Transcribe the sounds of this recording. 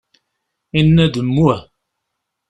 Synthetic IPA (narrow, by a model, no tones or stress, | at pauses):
enədəmua